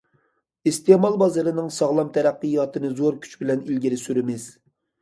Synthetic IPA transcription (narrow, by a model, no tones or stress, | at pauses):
ist̪emɑlˠbɑzɨɾɨnɨŋsɑʁlˠɑmt̪ʰɛɾæqːɨjɑt̪ʰɨnɨzoɾkʲʰy̥t͡ʃbɪlɛnilɡʲiɾɪsyɾɪmɪz̥